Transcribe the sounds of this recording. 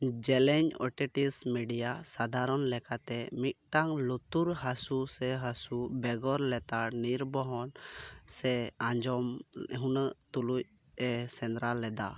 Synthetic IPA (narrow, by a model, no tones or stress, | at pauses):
d͡ʒɛlɛɲɔ̰ʈɛʈismiɖijasad̪ʱaɾɔnlɛkat̪ɛmit̪̚ˀʈaŋlɔt̪uɾɦasusɛɦasubɛɡɔɾlɛt̪aniɾbɔɦɔn | sɛãɲd͡ʒɔmɦunəʔt̪uluc̚ | ɛsɛnɾalːɛd̪a̰